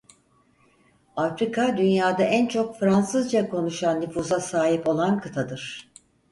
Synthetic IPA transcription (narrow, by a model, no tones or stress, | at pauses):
afɾikʰad̪ynjaːd̪aʔænt͡ʃʰo̞kfɾansɯzd͡ʒakʰo̞nuʃanːyfuːzasaːɦipo̞lˠankʰɯt̪ʰad̪ɯɾ̥